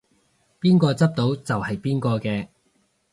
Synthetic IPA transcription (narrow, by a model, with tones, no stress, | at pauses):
piː˥nkɔː˧t͡sɐ˥p̚t̪o˨˥wt͡sɐ˨whɐ˨jpiː˥nkɔː˧kɛː˧